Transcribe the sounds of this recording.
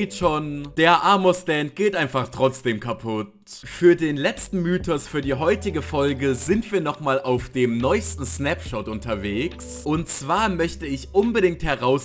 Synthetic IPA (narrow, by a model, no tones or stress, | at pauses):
itʃoːnd̥eːɐʔaɐmosd̥ɛntɡ̥eːtʔaɪnfaχtʁ̥ɔt͡sd̥eːmkʰapʰʊt | fyːɐdeːnlɛt͡stn̩myːtʰɔsfyːɐdiːɦɔʏtɪɡəfɔlɡəzɪntv̥iːɐnɔχmaːlʔaʊfd̥eːmnɔʏstn̩snɛpʃɔtʔʊntɐveːks | ʔʊntt͡sv̥aːɐmœçtəɪçʔʊnbəɾɪŋ̚thɛʁaʊs